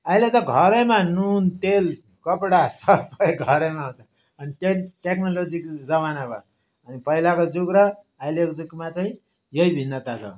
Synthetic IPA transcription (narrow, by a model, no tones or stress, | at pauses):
ʌɦilet̪ʌɡʱʌɾemanunt̪el | kʌpɽasʌbʌjɡʱʌɾemaɦũt͡sʰʌ | ʌniʈeʈeknolod͡zikd͡zʌmanaba̰ | ʌnipʌilakod͡zukɾʌː | ilekod͡zukmat͡saĩ | jʌibʱinːʌt̪at͡sʰʌ̰